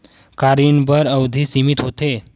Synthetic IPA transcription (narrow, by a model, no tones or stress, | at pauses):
kaɾiɳbəɾəwd̪ʱiːsimit̪ɦot̪e